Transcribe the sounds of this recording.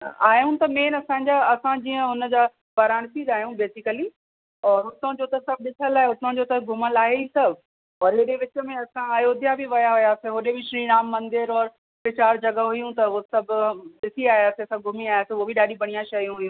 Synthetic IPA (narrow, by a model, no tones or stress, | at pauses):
aːɦijũt̪ɐmẽːnɐsãːɲd͡ʑaɐsãd͡ʑiːə̃ʊnəd͡ʑaː | bɐɾaːɽ̃siːd̪aːɦijũbeːsɪkəli | ɔːɾɦʊt̪õd͡ʑoːt̪ɐsɐb̚ʱɗɪt̪ʰəlaːɦeɦʊt̪õd͡ʑoːt̪ɐɡʱʊməlaːɦeisɐbʱ | ɔːɾɦeɗeʋɪt͡ɕə̆mẽɐsãɐjoːd̪ʱjabɪʋɐjaɦʊjaːseɦoːɗebɪʃɾiːñaːmːɐ̃nd̪ɪɾɔːɾ | pɪt͡ɕaːɾd͡ʑɐɡəɦʊijũt̪ɐoosɐbʱɗɪsiaːɦjaːseɐsɐ̃ɡʱʊmiaːjaːseuoːbɪɗaːɗibɐɽ̃ijãʃɐj̃ɦuijũ